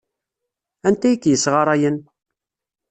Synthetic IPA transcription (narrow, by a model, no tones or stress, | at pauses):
ænt̪æjəkːjəsʁɑɾˤæjən